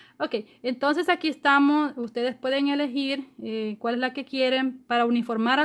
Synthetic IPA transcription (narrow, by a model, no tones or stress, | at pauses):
okejent̪o̞nse̞sakiest̪amosust̪e̞ðespweðeŋe̞le̞xiɾekwale̞zlake̞kje̞ɾe̞mpaɾaunifoɾmaɾa